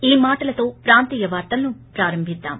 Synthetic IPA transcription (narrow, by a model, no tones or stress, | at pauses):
iːmaːʈɐlɐt̪o̞ːpɾaːnt̪iːjɐʋaːɾt̪ɐlɐnupɾaːɾɐmbʱid̪ːa̰ːm